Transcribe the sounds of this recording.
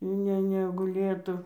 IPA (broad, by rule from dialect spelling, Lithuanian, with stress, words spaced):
ˈnʲɛ nʲɛɡʊˈlʲeːtʊ